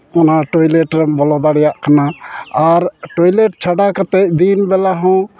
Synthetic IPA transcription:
ɔnaʈɔjlɛʈɾɛmbɔlɔd̪aɽɛjaʔkanaaɾʈɔjleʈ̚t͡ʃʰaɖakət̪ɛʔ̚d̪inbɛlaɦɔ̃

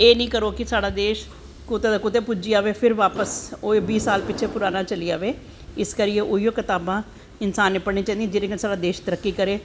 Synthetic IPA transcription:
eːnĩːkəɾoːkɪsaːɽaːd̪eːʃ | kot̪eːd̪aːkot̪eːpʊd͡ʒiːaːʋeːpʰɪɾʋaːpəsoːebiːsaːlpɪt͡ʃʰeːpʊɾaːnaːt͡ʃəliːaːʋeː | ɪskəɾijeʔoijoːkɪt̪aːbãː | ɪnsaːnepəɽɽniːt͡ʃãːnd̪iẽd͡ʒɪɾeːkənːsaːɽaːd̪eːʃt̪əɾəkːiːkəɾeː

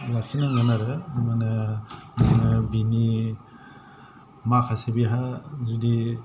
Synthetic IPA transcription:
lakʰinaŋanaɾɯmanɯmanɯbini | makʰasebiɦazudi

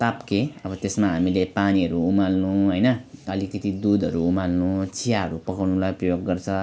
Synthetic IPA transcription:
t̪apkeʌbʌt̪esmaɦamilepaniɦʌɾuumalnũɦojnʌʌlikʌt̪id̪ud̪ʱʌɾuumalnũt͡sʰijaɦʌɾupʌkawnulajprʌjoɡɡʌrt͡sʰʌ

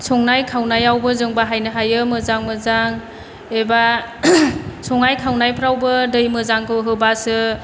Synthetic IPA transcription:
sɔŋnajkʰawnajawbɯzɯŋbaɦajnɯɦajɯmɯzaŋmɯzaŋ | eba | sʰɔŋnajkʰawnajpʰɾawbɯdɯjmɯzaŋkʰɯɦɯbasɯ

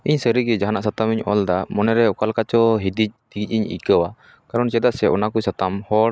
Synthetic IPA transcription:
iɲsəɾiɡɛd͡ʒaɦanaʔsat̪amiɲɔld̪amɔnɛɾɛɔkalkat͡ʃɔɦid̪ic̚d̪̥iɡic̚ˀiɲḭkəwa | kaɾɔnt͡ʃɛd̪aʔsɛɔnakusat̪amhɔɽ

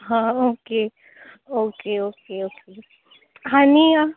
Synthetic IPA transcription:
ɦãoːke | okeoːkeoːke | ɦania

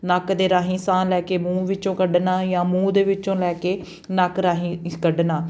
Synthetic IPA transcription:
nəkd̪eːɾaːɦĩːsãːnlɛːkeːmũːʋɪt͡ʃõːkəɖnaːjãːmũːd̪eːʋɪt͡ʃõːlɛːkeː | nəkɾaːɦĩːkəɖnaː

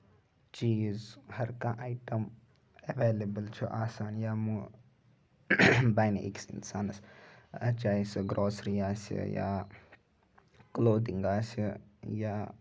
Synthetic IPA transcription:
t͡ʃiːzhɐɾkaʔajʈɐm | ɐʋeːlɐbəlt͡ʃʰuʔaːsaːnjaːmu | bajnḛʔḭksḭnsaːnɐsɐt͡ʃaːisɨɡɾʔoːsɾiaːsḭja̰ː | kloːd̪iŋɡaːsijaː

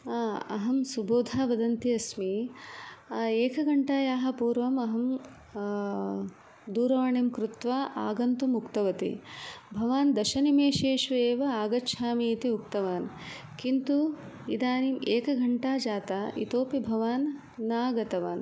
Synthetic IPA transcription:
ɐ̰ɦɐmsuboːd̪ʱaːʋɐd̪ɐnt̪iɐsmi | eːkɐɡʱɐɳʈaːjaːɦɐ̆puːɾʋɐmɐɦɐm | d̪uːɾɐʋaɳimkɾut̪ʋaːʔaːɡɐnt̪umukt̪ɐʋɐt̪ḭbʱɐʋaːnd̪ɐʃɐnimeːʃeːʃʋɐeːʋɐaːɡɐʃʰaːmiːt̪iukt̪ɐʋaːn | kint̪u | id̪aːnimeːkɐɡʱɐɳʈaːd͡ʒaːt̪aːʔḭt̪oːpibʱɐʋaːnː | aːɡɐt̪ɐʋaːn

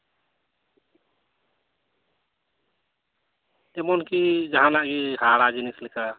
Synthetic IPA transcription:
emonkid͡ʒəɦãlaɡiɦaɾad͡ʒinislika

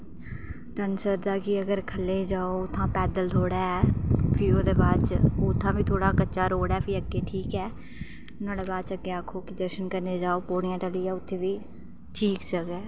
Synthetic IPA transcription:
ʈənsəɾd̪aːkɪəɡəɾkʰəlːeːd͡ʒaːoʊt̪ʰːãːpɛːd̪əlt̪ʰoːɽɛːɛpʰɪoːd̪eːbaːt͡ʃʊt̪ʰːãːbiːt̪ʰoːɽaːkətːʃaːɾoːɽɛːpʰɪəɡːeːʈʰiːkɛː | ʊnãːɖeːbaːd̪t͡ʃəɡːeːaːkʰːoːkɪd̪əʃənkəɾneːd͡ʒaːoːpoːɽɪjãːʈəliːɛːʊt̪ʰːeːʋiː | ʈʰiːksəɡɛː

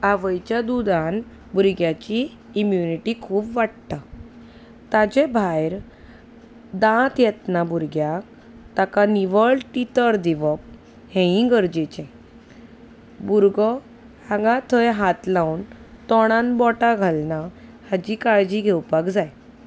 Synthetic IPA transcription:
aʋəjt͡ɕjad̪ud̪an | buɾɡjat͡ɕiː | mjuniʈikʰuːpʋaʈt̪a | t̪ad͡ʑɛbʱajɾ | d̪ãt̪jɛt̪nabuɾɡjak | t̪akaniʋəɭʈit̪əɾd̪iʋɔp̚ | hɛ̃ĩɡəɾd͡ʑet͡ɕɛ̃ | buɾɡə | hãɡãt̪ʰəjɦat̪lawun | t̪ɔɽ̃ãnbɔʈaɡʱalnahad͡ʑikaɭd͡ʑiɡʱɛwpakd͡zaj

